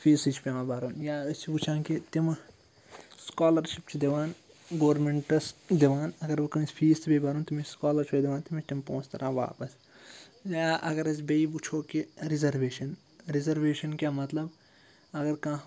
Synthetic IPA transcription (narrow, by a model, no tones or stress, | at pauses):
fʰiːsit͡ʃʰpʲeʋãːbaːɾuːnjaːɐst͡ʃʰibut͡ʃʰãːnkit̪im | skaːlɐɾʃipt͡ʃʰid̪iʋaːn | ɡoːɾmeɳʈɐsd̪iʋaːnɐɡɐɾbɐkɐmisʲpʰiːst̪ʰbebaːɾuːnt̪imiskaːlɐɾt͡ʃʰoːd̪iʋaːnt̪imit͡ʃʰt̪impõːst̪ɐɾʔãːʋa̰ːpɐs | jaːʔɐɡɐɾɐsbeibut͡ʃʰoːkiɾizɐɾʋeːʃɐn | ɾizɐɾʋeːʃɐnkʲjaːmɐt̪lɐb | ɐɡɐɾkãːɦ